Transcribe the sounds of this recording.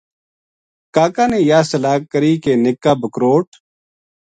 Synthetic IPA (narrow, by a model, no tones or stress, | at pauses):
kaːkaːnẽːjaːsəlaːkːəɾiːkeːnɪkːaːbəkɾoːʈ̚